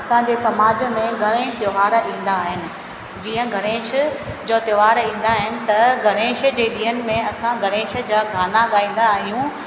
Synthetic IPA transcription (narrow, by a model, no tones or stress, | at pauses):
ɐsãɲd͡ʑeːsɐmaːd͡ʑmẽɡʱɐɾ̃ẽːʃt̪joːɦaːɾĩːn̆d̪aːɦɪnɪ̆ | d͡ʑiːə̃ɡʱɐɾ̃eːʃd͡ʑoːt̪joɦaːɽĩːn̆d̪aːɦɪnɪ̆t̪ɐɡʱɐɾ̃eːʃd͡ʑeːɗĩːɦənɪ̆mẽɐsãɡʱɐɾ̃eːʃ̆d͡ʑaːɡʱaːnaɠaːĩːn̆d̪aːɦijũ